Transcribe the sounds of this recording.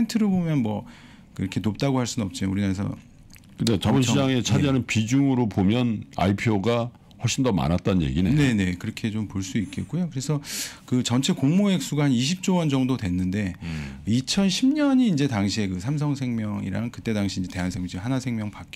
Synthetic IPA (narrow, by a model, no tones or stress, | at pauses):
entʰɯɾɯɭbomjʌnmwʌ | kɯiɾʌkʰe̞nop̚t͈aɡohaɭs͈unʌp̚t͡ɕ͈iouɾinaesʰʌ̰ | kɯet͡ɕʌmonɕid͡ʑaŋe̞t͡ɕʰad͡ʑiɦanɯnpid͡ʑuŋɯɾopomjʌna̰ipʰjoɡa | ɸwʌɭɕʰindʌma̰nat̚t͈annje̞̰ɡinene̞ne̞kɯɾʌkʰe̞t͡ɕompoɭs͈uik͈e̞t̚k͈ujokɯɾe̞sʰʌkɯt͡ɕʌnt͡ɕʰe̞koŋmoe̞k̚s͈uɡahaniɕʰip̚t͡ɕ͈owʌnd͡ʑʌŋdode̞nːɯnde̞it͡ɕʰʌnɕʰimɲʌɲiːnd͡ʑe̞taŋɕʰie̞kɯsʰams̬ʰʌŋsʰe̞ŋmjʌŋḭɾa̰ŋkɯt͈e̞daŋɕʰiːnd͡ʑe̞te̞ɦansʰeŋt͡ɕihanasʰe̞ŋmjʌŋpak͈